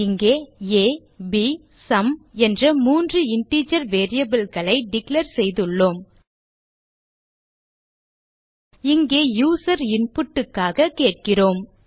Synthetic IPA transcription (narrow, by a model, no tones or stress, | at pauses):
ɪŋɡeːeː | bi | sɐmɛndrɐmuːndrɯɪɳʈiːt͡ʃɐɾʋeːɾɪjɐbɪlɣɐɭɐɪɖɪklɐɾsɛjðɯɭːoːm | ɪŋɡeːjuːsɐɾɪnpʊʈːɯkːaːɣɐkeːʈ̚kɪroːm